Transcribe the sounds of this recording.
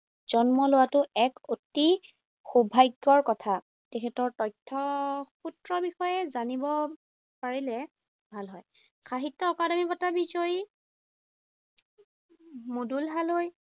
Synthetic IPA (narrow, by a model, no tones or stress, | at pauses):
z̥ɔnmɔlʊwatʊɛkoti | xubʱajɡːɔɹkɔtʰa | tekʰɛtɔɹtɔjtʰːɔxutɹɔɹbixɔjɛzanibɔ | paɹilɛ | bʱalɦɔj | kʰaɦitːɔːkadɔmibɔtabizoj | modulɦaloj